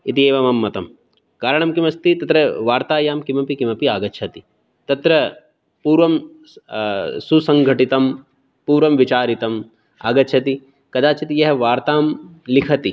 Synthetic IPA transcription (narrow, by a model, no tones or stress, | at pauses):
it̪ieːʋɐmɐmːɐt̪ɐm | kaːɾɐɳɐmkimɐst̪it̪ɐt̪ɾɐʋaːɾt̪aːjaːmkimɐpikimɐpiaːɡɐt͡ʃʰɐt̪i | t̪ɐt̪ɾɐ | puːɾʋɐm | susɐŋɡʱɐʈit̪ɐm | puːɾʋɐmʋit͡ʃaːɾit̪ɐm | a̰ːɡɐt͡ʃʰɐt̪i | kɐd̪aːt͡ʃɐt̪ijɐɦʋaːɾt̪aːmlikʰɐt̪i